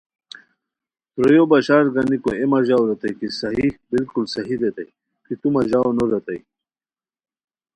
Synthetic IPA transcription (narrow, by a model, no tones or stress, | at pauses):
t̪ɾojobaɕaːɾɡanikoemaʑawɾɐt̪ajkisɐɦibilkulsɐɦid̪et̪a̰j | kit̪umaʑaːwnoɾɐt̪aj